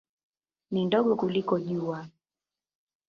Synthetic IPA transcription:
nindɔɠɔkulikɔʄua

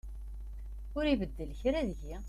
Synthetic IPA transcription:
ʊɾivəd̪ːəlçɾæðəʝi

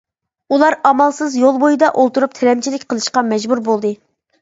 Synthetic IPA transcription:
ulˠɑɾɑmɑlˠsɨzjolˠbojɨd̪ɑʔolˠt̪uɾup̚t̪ʰɛɾɛmt͡ʃʰilɪkʲqʰəlˠɨʃqɑmɛd͡ʒbuɾbolˠd̪ɨ

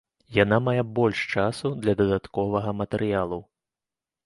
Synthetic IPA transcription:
jan̪amajɛbɔlʲʂt͡ʂasud̪lʲɐd̪ɐd̪at̪kɔvɐɣɐmɐt̪ɛɾɨjalˠu

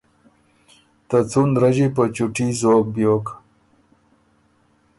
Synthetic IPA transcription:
t̪ət͡sunɾəʑipət͡ɕuʈʰizoːk̚bjoːk

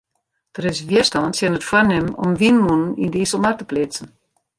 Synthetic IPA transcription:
d̥əɾɪsʋjiəstɔntsjɛnətfwanɪmɔ̰mʋinmunənindiːsɔmartəplɪt͡sən̩

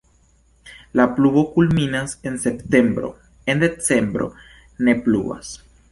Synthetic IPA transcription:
laplubo̞kulminase̞nse̞pte̞mbɾo̞̰ | e̞nd̪e̞t͡se̞mbɾo̞̰ | ne̞plṵba̰s

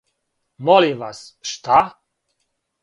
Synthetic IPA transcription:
mɔliʋasʃt̪a

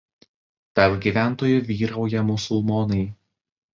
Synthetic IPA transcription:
t̪ɐɾpɡʲiːˑʋʲæˑnˑt̪oːjʊʋʲiːɾɐʊjɛmʊsʊlˠmɔnɐɪ

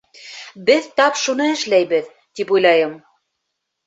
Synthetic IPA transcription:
bɘðt̪ɑpʃunɤɘ̆ʃlæjβɘð | t̪ipujlˠɑjɤm

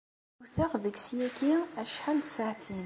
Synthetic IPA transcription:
uθæʁðəɡsjækiæʃħant̪saʕθin

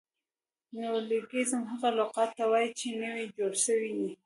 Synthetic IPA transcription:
nawliɡizəmɦəɣalʊqɑt̪ːawɑjit͡ʃenəwid͡ʒoɽʃəwini

